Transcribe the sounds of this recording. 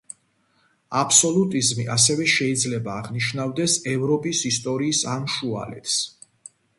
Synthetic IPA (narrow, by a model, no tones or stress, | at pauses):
apʰsɔlˠut̪ʼizmiʔas̬ɛvɛʃɛid̪zlɛbaːʁniʃnavd̪ɛsɛvɾɔpʼisist̪ʼɔɾiːsamʃua̰lɛ̰t̪ʰs